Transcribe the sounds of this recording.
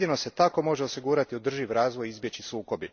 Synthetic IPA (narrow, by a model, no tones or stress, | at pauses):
d̪ino̞se̞t̪ako̞mo̞ʒeo̞siɡuːɾat̪iod̪r̩ʒiʋɾaːzʋojizbje̞t͡ɕisuːko̞bi